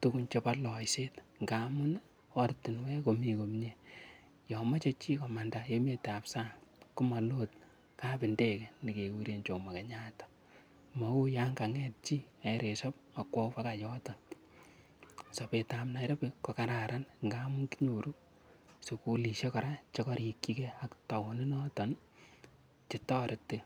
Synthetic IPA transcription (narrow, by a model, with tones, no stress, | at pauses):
tukunt͡ʃe˦pa˦lɔ˨jse˦tŋɡa˨mʊ˦n | ɔ˦rtɪ˨nwɛ˦ko˨mi˨ko˨mɲe˨ | jɔ˨ma˦t͡ʃe˦t͡ʃi˦kɔ˨ma˨ndajeme˨ta˨psa˦kʊ˦ma˨lot̚ | ka˦pɪ˨nde˦kɛ˨ni˨ke˨ku˦ɾe˨nt͡ʃo˨ma˨ke˨ɲa˦tɔ̥ | ma˨wo˦ja˦ŋɡa˨ŋɛt̚t͡ʃi˦a˨ɾe˨sɔ˦p̚ | a˨kwɔ˦fa˦ka˨jɔ˦tɔ˨n | sɔ˨pe˨ta˨mna˨ɾe˦pekɔ˨ka˨ɾa˨ɾa˦nŋɡa˦mu˦ŋki˦ɲo˨ɾu˦ | soku˨li˨ʃe˦kɔ˨ɾa˦t͡ʃe˦kɔ˦ɾi˨kːi˦kɛ˦a˨kta˨wɔ˨ni˦nɔ˦tɔ˨n | t͡ʃɪtɔ˦ɾɪ˨tːɪ˦